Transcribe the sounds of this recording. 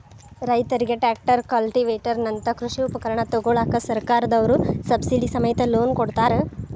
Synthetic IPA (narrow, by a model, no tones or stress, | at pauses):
ɾɐjt̪ɐɾiɡeʈaːk̚ʈɐɾkɐlʈiʋeːʈɐɾnɐnt̪ɐkɾuʂiupɐkɐɾɐɳɐt̪ɔɡoːɭaːkɐsɐɾkaːɾɐd̪ɐʋɐɾusɐbsiɖisɐmɐjɐt̪ɐloːnkoɽt̪aːɾe